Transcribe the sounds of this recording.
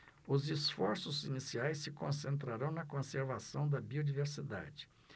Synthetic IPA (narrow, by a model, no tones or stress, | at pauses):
ʊzisfɔɾsʊzinisiajsːɪkõsẽnt̪ɾaɾɐ̃w̃nɐkõseɾvasɐ̃w̃d̪ɐbiod͡ʒiveɾsid̪a̰d͡ʒɪ̥